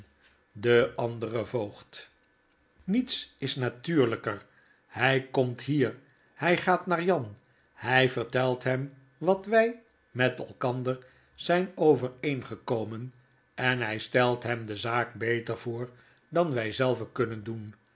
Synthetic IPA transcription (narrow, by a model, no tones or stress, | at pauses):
dəɑndərəvoːχt | nitsɪsnatyːɹləkər | hɛjkɔmtɦiːr | hɛjχaːtnaːɹjɑn | hɛjvəɹtɛlˠtɦɛm | ʋɑtʋɛj | mɛtɛ̰lˠkɑndəɹ | z̥ɛjnowvərejnχəkowmən | ɛnɦɛjstɛlˠtɦɛmdəzaːk̚bejtəɹv̥ʊːɹ | dɑnʋɛjzɛlˠvəkɵnəndun